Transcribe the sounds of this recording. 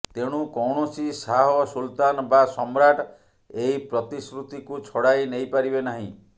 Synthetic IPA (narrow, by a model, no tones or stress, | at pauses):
t̪eɽ̃ukɔwɳ̃ɔsisaɦɔsult̪anɔbasɔmɾaʈ | eipɾɔt̪isɾut̪ikut͡ʃʰɔɽajnejpaɾibenaɦḭ̃